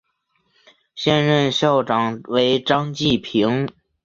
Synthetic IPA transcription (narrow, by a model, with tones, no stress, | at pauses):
ɕjɛ˥˧nɻə˥˧nɕjɑ˥˩ʊʈ͡ʂɑ˨˩ŋwe˧˥ɪʈ͡ʂɑ˥ŋt͡ɕi˥˩pʰi˧˥ŋ